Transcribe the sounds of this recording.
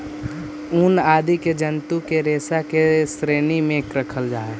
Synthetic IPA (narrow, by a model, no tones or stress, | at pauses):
uːnaːd̪iked͡ʒənt̪ukeɾeːsakesɾeːnimẽkɾəkʰəld͡ʒaːe